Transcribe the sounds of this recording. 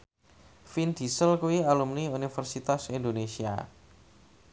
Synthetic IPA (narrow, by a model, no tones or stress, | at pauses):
find̪̥i̤səlkuwialumniunifərsit̪asindonesia̰